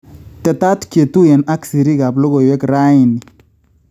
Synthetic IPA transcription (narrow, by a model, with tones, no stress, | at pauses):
tɛ˨ta˦tkje˨tu˦jɛ˨na˦ksi˨ɾi˦ka˨blɔ˦ɣɔ˨jwɛ˦kɾa˦ɪ˨ni˨